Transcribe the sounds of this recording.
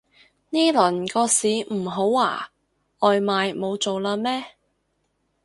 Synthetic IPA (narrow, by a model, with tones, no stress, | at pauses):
niː˥lɵ˨˩nkɔː˧siː˨˧m̩˨˩ɦo˨˥wa̰ː˨˩ | ɔː˨jmaː˨jmo˨˧wt͡so˨wlaː˧mɛː˥